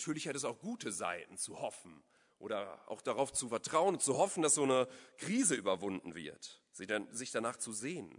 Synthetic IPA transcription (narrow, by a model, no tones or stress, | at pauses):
tʰyːɐlɪçhatɛsaʊxɡ̥uːtəza̰ɪtn̩t͡suhɔfn̩ | ʔo̰ːɾɐʔa̰ʊxd̥aʁaʊft͡sufɛɐtʁ̥aʊənʊnt͡suhɔfn̩dasz̥oːnəkʁ̥iːzəʔyːbɐvʊndn̩vɪ̰ɐt | z̥izɪçd̥anaːχt͡suzeːən